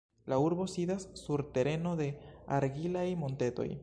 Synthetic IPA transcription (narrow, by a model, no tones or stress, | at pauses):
lauɾbo̞sidasːuɾte̞ɾe̞no̞de̞aɾɡilajmo̞nte̞to̞̰j